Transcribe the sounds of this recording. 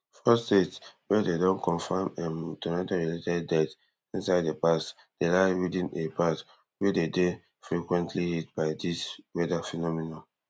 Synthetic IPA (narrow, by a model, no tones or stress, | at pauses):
fɔstetwɛdedɔ̃nkɔ̃nfamɛ̃mɔtʰɔnataɹiletɛdːɛt | ĩnsaɪddepast | d̥elaɪɹidĩnepʰat | wedede | fɹikwɛ̃ntʰlihit̚baɪdiswɛdafɛnɔminõ